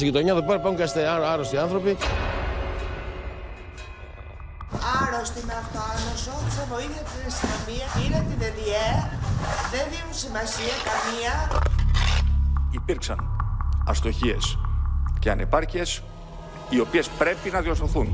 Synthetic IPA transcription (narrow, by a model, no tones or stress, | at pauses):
siʝit̪oɲɐðopeɾɐpɐuɲcɐst̪eɐɾɐɾost̪iɐnθɾo̞pi | ɐɾost̪inɐft̪oɐnosoθisɐnoiðjost̪inest̪inomiɐʔinet̪ided̪ie | ðenðinunsimɐsiɐkɐmiɐ | ipiɾksɐnɐst̪o̞çie̞̰sceɐ̰nḛpɐɾcie̞s | io̞pie̞spɾe̞pinɐðiosθoθun